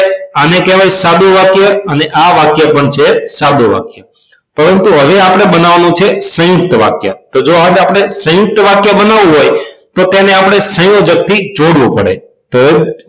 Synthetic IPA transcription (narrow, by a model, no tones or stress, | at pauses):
anekeʋajsad̪uʋakjəəneʔaʋakjapəɳt͡ʃʰesad̪uʋa̰kjə | pəɾənt̪uɦəʋeapəɽ̃ebənaʋanũt͡ʃʰesə̃jʊk̚t̪əʋa̰kja̰t̪od͡ʒoɦaapɽ̃esə̃jʊk̚t̪əʋakjabənaʋũɦojt̪ot̪eneapəɽ̃esə̃jod͡ʒək̚t̪ʰid͡ʒoɽʋupəɽḛ | t̪oe